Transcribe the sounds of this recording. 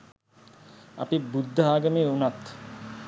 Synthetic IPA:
a̰pibud̪ʱːəɦaːɡəmeːunat̪

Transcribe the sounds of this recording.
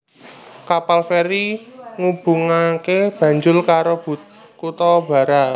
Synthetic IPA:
kapalfeɾiŋub̥ṳŋakeb̥ä̤ɲd͡ʒʊlkaɾob̥ṳt̪̚ | kut̪ɔb̥a̤ɾaʔ

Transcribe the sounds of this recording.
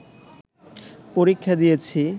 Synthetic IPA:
poɾikʰːad̪ijet͡ɕʰi

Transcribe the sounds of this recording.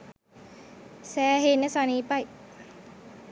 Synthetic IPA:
sɛːɦenasaːniːpaj

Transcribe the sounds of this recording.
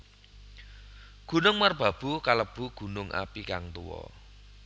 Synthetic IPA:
ɡ̥ṳnʊŋmərb̥a̤b̥ṳkaləb̥ṳɡ̥ṳnʊŋʔa̰pikaŋt̪uwɔ̰

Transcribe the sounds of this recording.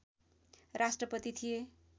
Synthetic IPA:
rasʈrʌpʌt̪it̪ʰije

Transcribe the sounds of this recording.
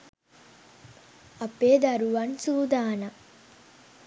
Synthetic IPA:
ɐpːeːd̪ɐɾuʋɐnsuːd̪aːnɐ

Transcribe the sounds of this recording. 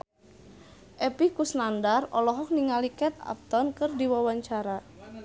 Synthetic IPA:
ʔɛpikusnandarɔlɔɦɔk̚niŋalikɛt̪̚a̰p̚t̪ɔnkɨrdiwawaɲt͡ʃaɾa

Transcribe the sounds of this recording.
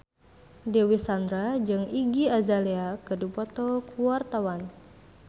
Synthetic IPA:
dewisand̪ɾad͡ʒɨŋiɡiazaleakədupɔt̪ɔkuwart̪awan

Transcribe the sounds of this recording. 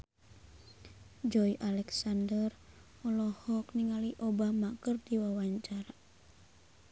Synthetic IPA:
d͡ʒɔiʔalɛksandər | ɔlɔhɔkniŋaliʔobamakərd̪iwawaɲt͡ʃaɾa

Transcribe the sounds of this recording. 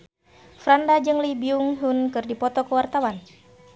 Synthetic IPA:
fɾandad͡ʒɨŋlibiuŋɦunkɨrdipɔt̪ɔkəwart̪awan

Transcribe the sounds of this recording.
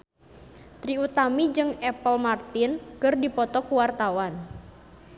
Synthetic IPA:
t̪ɾiut̪amid͡ʒɨŋɛpəlmart̪ɪnkɨrdipɔt̪ɔkuwart̪awan

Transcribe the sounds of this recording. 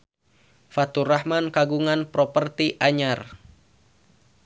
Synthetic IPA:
fat̪urahmankaɡuŋanpɾɔpərt̪iʔaɲar

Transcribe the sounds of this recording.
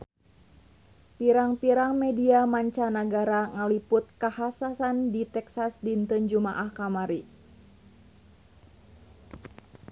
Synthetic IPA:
piɾaŋpiɾaŋmɛdiamaɲt͡ʃanəɡaɾaŋəlipʊt̪̚kahasasandit̪ɛksasdint̪ɨnd͡ʒumaʔahkamaɾi

